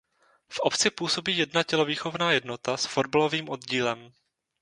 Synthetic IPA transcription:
fʔopt͡sɪpuːso̞biːjɛdnacɛlo̞viːxo̞vnaːjɛdno̞t̪asfo̞dbalo̞viːmʔo̞dɟiːlɛm

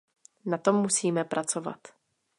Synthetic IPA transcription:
nat̪o̞mːusiːmɛpɾʔat͡so̞va̰t̪

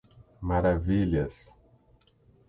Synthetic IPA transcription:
maɾaviʎɐs

